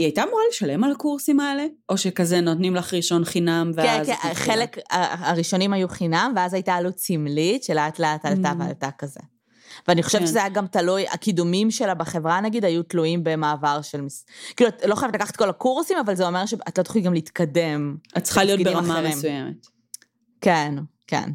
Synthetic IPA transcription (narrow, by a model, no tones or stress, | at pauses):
iajtamuʁaleʃalemalakuʁsimaeleo̞ʃekazenotnimlaχʁiʃo̞nχinamveeazkχelekaːʁiʃo̞nimajuχinamveazajtaːlut͡simlitʃeleatleataltavea̰ltakazḛ | veaniχo̞ʃevʃezajaɡamtaluja̰kidumimʃelabeχevʁanaɡidhajutluimbe̞maːvaʁʃelmiskiːluatlo̞χajavtlakaχḁt̚ko̞lakuʁsimavalzeo̞meʁʃeat̪lo̞t̪o̥χliɡamliit̪kade̞mat̪ːt͡sχalijotdbeiʁmamaʁmeimsujemḛt | kenke̞̰n